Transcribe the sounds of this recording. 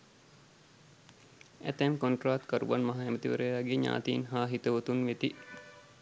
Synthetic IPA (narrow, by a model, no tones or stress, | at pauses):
æ̰t̪æmkoɳʈraːt̪kɐɾṵʋanmaɦaemət̪iʋə̰ɾəjaːɡeɲa̰ːt̪iːnɦaːɦit̪əʋut̪unʋet̪i